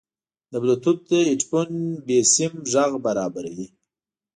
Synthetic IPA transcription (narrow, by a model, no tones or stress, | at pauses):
d̪əblat̪ut̪̚d̪əɪʈpunbesɪmʒaɣbaɾɑbaɾawi